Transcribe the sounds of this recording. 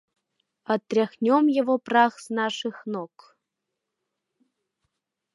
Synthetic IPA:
at̪ːrʲaxnʲomjevoprɑɣznɑʃɨxnok

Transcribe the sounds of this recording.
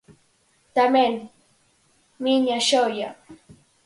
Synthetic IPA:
t̪amen | miɲaʃawja

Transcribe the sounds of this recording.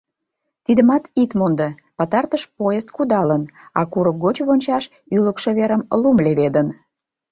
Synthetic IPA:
t̪id̪əmɑt̪it̪mond̪ə | pɑt̪ɑrt̪əʃpojəst̪̚kud̪ɑlənɑ̰kuɾək̚ɡot͡ɕβonʲt͡ɕɑʃ | yləkʃĕβeɾəmlumleβed̪ən

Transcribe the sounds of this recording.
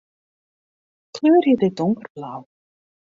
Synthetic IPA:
kʰlʏːɾ̥jɪt̪ɪt̪oŋkɾ̥plaːw

